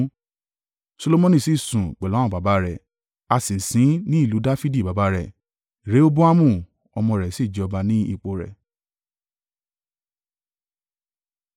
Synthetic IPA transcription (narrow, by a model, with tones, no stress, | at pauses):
so˧lo˧˦mõ˧nĩ˦˨si˦˨sũ˨k͡pɛ˨lɔ̃˨˦ɔ̃˦˨ba˨˦ba˦ɾɛ˨ | a˧sĩ˨sĩ˨˦nĩ˦i˦˨lu˨˦da˦fi˦di˦˨ba˨ba˧˦ɾɛ˨ | ɾe˨˦o˦bu˦a˦mũ˦˨ | ɔ˧mɔ̃˧˨ɾɛ˨si˦˨d͡ʒɛ˨ɔ˧ba˧nĩ˦ḭ˦˨k͡po˨ɾɛ̰˨